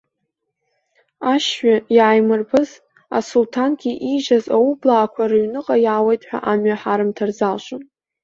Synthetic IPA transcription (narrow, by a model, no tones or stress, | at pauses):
aʃɥajaːjmɨrpʰɨz | a̰sultʰanɡʲiʔiʒazaublaːkʷʰarɨɥnɨqʼajaːwejtʼħʷᶣa̰ʔamɥaħaɾɨmtʰarzalʃʷʼon